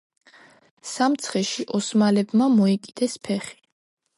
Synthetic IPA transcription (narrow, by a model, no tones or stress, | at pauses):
samt̪sʰχɛʃiʔɔsmalɛbmamɔɛkʼid̪̥ɛspʰɛχi̥